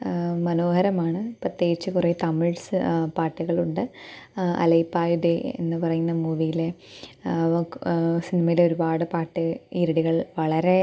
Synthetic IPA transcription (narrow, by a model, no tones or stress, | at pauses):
mɐno̞ːhɐɾɐmaːɳɨprɐt̪ːjeːɣit͡ɕːɨkureːt̪ɐmiɭsɨpaːʈːiɣɐɭuɳɖɨ | ɐ̰lɐjpːaːjud̪eḛnːɨpɐrɐjunːɐmuːʋijile̞ | sinimɐjileo̞ɾubaːɽɨpaːʈːɨiɾiɽiɣɐɭʋɐɭɐɾe̞